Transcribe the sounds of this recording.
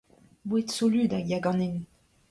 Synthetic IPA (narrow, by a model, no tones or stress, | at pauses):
buet̪solyd̪ajaɡɑ̃nen